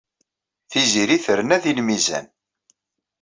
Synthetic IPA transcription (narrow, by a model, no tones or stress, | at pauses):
θiziɾiθəɾənæðilmizæ̰n